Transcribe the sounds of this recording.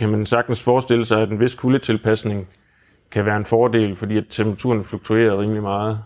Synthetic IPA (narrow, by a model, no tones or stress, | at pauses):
kʰæmænsɑ̈ɡ̥d̥n̩sfɒːsd̥e̝l̰əsɑ̈ɪæd̥enʋe̝skʰulət͡sʰe̝lpʰæsne̝ŋ | kʰæʋæːɐe̝nfɒːd̥e̝̰ːlfɒ̽d̥ḭːæt͡sʰempʁɑt͡sʰṵɐnfluɡ̥̚t͡sʰue̝̰ːɐðˠʁiːmlimɑ̈ːð̞̩ˠ